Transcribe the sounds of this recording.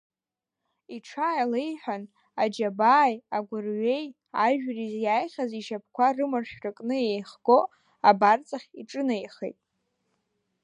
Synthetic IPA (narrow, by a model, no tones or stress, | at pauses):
iʈ͡ʂʰaːjlejħʷᶣan | ad͡ʒabaːjaɡʷʊrɥe̞j | aʒᶣrizjaːjχʲaziʃap̚ʰkʷarɨmarʂrɨkʼnɨejχɡ̥o̞ | abart͡sʼaχʲiʈ͡ʂʼɨnajχḛjtʼ